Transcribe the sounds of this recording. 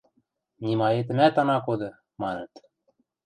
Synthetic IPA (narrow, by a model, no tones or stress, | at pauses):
nʲimɑet̪ɘ̆mæt̪ɑnɑkod̪ɤ̆ | mɑnɤ̆t̪